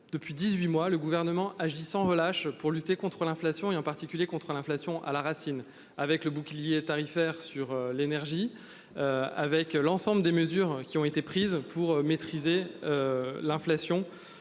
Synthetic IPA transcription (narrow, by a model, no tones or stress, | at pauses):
d̪̥əpɥid̪izɥimwaləɡuvɛʁnəmɑ̃ʔaʒisɑ̃ʁəlaʃpuʁlyt̪ekɔ̃t̪χəlɛ̃flasjɔ̃eɑ̃paʁt̪ikʲyljekɔ̃t̪χəlɛ̃flasjɔ̃ʔa̰laʁasin | avɛkləbukʲljet̪aʁifɛʁsyʁølenɛʁʒi | øa̰vɛklɑ̃sɑ̃bləd̪eməzyʁkʲiɔ̃et̪epχizpʰuʁmet̪χizeølɛ̃flasjɔ̃